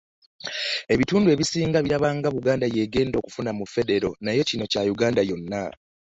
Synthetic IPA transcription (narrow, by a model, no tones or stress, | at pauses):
e̞βituːndue̞βisiːŋɡaβiɾaβaːŋɡaβuɡaːndaje̞ːɡe̞ːndo̞ːkufunamufe̞de̞ɾo̞najo̞cino̞cajuɡaːndajo̞nːa